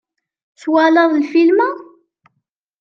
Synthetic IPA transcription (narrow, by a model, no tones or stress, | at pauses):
θwalɑðˤlfilma